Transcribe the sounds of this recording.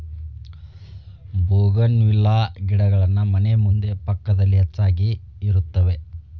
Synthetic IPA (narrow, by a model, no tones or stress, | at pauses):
boːɡɐnʋilːaːɡiɽɐɡɐɭɐnːumɐnemund̪e̞pɐkːɐd̪ɐlːiɦet͡ʃːaːɡiː | ɾut̪ːɐʋe̞